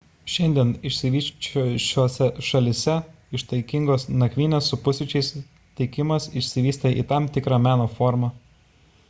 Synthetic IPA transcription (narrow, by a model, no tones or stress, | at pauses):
ʃʲɛnʲd̪ʲiɛnɪʃʲsʲɪʋʲiːʃt͡ʃoʃʲoːsʲɛʃɐlʲɪsʲɛ | ɪʃt̪ɐɪkʲɪŋɡoːsnɐkʲʋʲiːnʲɛssʊpʊsʲɪt͡ʃʲɛɪs | t̪ʲɛɪkʲɪmɐsɪʃʲsʲɪʋʲiːsʲt̪ʲeʔḭːt̪ɑmt̪ʲɪkɾɑːmʲæːnoːfɔɾmɑ